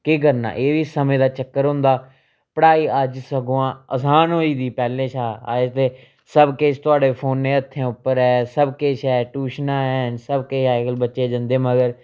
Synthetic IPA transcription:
kɪk̬əɾna̰ːʔeːʋiːsəmẽːd̪aːt͡ʃəkːəɾɦõnd̪aː | pəɽaːiːəd͡ʒsəɡoãːəsaːnɦoːiːd̪iːpɛːlːẽːt͡ʃʰaːat̪eː | səbkeːt͡ʃt̪ʊaːɽeːpʰoːnːẽːət̪ʰːẽːʊpːəɾɛːsəbkeːt͡ʃɛːʈuːʃnãːɛːnsəbkeːʃaːekəlbətːʃeːd͡ʒə̃nd̪eːməɡəɾ

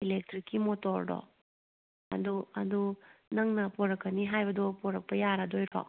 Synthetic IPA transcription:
ilek̚tɾikːimotɔɾdɔ̰ | ɐ̰duɐdunɐŋnɐpɔɾɐkːɐniɦajbɐdɔpɔɾɐk̚pɐjaɾadojɾɔ̰

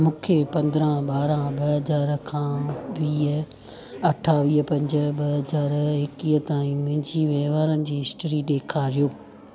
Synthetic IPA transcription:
mũːkʰepɐ̃nd̪ɾə̃ɓaːɾãɓɐɦɐzaːɾkʰãːʋiːɦ | ɐʈʰaʋiːɦpɐ̃ɲd͡ʑə̆ɓɐɦɐzaːɾɦɪkiːɦət̪aːĩmʊ̃ɦɪ̃ɲd͡ʑiʋeːʋaːɾənɪ̆d͡ʑiːɦɪsʈəɾiɗeːkʰaːɾijoː

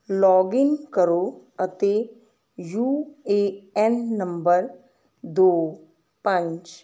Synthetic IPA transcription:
lɔɡinkəɾoət̪e | jueɛnːəmbəɾ | d̪o | pə̃ɲt͡ʃ

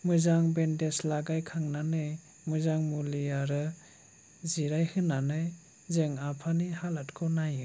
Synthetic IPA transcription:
mɯzaŋbendeslaɡajkʰaŋnanɯj | mɯzaŋmuliaɾɯ | ziɾajhɯnanɯj | zeŋapʰanihalatkʰɯnajɯ

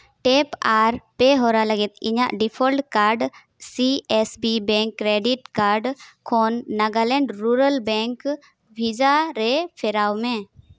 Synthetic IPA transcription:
ʈɛpaɾpɛɦɔɾaləɡɪt̪ɪɲa̰ʔɖipʰɔlʈkaɾɖ | siɛsbibɛ̃ŋkːɾeɖiʈkaɾɖkʰɔnːaɡalɛ̃ɳɖɾuɾəlbɛ̃ŋk | bʱid͡ʒaɾɛpʰɛɾawmɛ̃ː

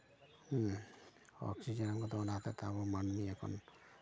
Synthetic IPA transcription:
ɔ̰ksid͡ʒɛnamɡɔt̪ɔɔnat̪ɛt̪aβɔmanmiɛkʰɔ̰n

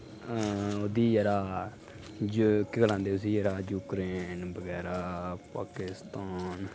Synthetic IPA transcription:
oːd̪iːjɛɾaː | d͡ʒkːɪɡəlãːnd̪eːʊsiːjɛɾaːd͡ʒuːkɾeːnbəɡɛːɾaːpa̰ːkɪst̪aːn

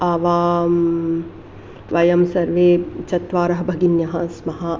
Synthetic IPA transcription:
aːʋaːm | ʋɐjɐmsɐɾʋeːt͡ʃɐt̪ʋaːɾɐɦɐbʱɐɡinjɐɦɐsmɐɦa

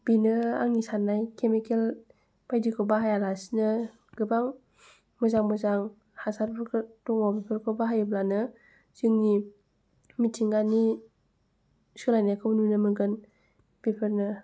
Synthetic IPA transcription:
b̥inəa̰ŋisanajkemikel | pajdikobaɦajalasnə | ɡ̥ɯbaŋ | məzaŋməzaŋ | hasaɾpəktuŋɔpipʰəɾkobaɦajɯblanɯ | d͡ʒɯŋni | mitiŋɡani | skɯlajnakʰɯbnunɯmɯɡən | pipʰəɾnə

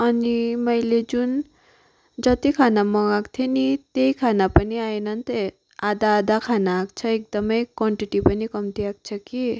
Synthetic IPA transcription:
ʌnimʌjled͡zun | d͡zʌt̪ikʰanamʌɡakt̪ʰenit̪ejkʰanapʌniajnʌnt̪e | ad̪aːd̪akʰanaːkt͡sʰʌek̚d̪ʌmʌjkwʌɳʈiʈipʌnikʌmt̪iak̚t͡sʰʌki

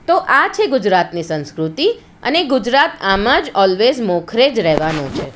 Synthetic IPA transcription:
t̪oʔat͡ʃʰeɡʊd͡ʒɾat̪nisə̃nskɾut̪i | ə̰neɡʊd͡ʒɾat̪amãd͡ʒɔlʋezmɔkʰɾed͡ʒɾɛɦʋanũt͡ʃʰe

